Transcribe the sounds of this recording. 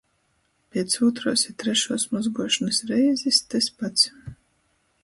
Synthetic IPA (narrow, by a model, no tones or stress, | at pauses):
pʲiɛt̪suːt̪ɾuɔsit̪ɾɛʃuːsmɔzɡuɔʃanɨsɾɛjzist̪ɛspat̪s